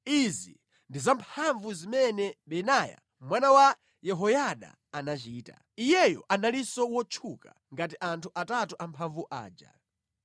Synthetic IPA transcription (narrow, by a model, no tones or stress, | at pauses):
izi | ndizampʰaɱvuzimɛnɛɓɛnaja̰ | mwanawa | jɛɦɔjaɗa̰ | anat͡ʃiːta̰ | ijɛjɔ̰ʔanalisɔwɔt͡ʃʰuka̰ | ŋɡat̬iʔantʰuʔatatuʔampʰaɱvuʔa̰ːd͡ʒa̰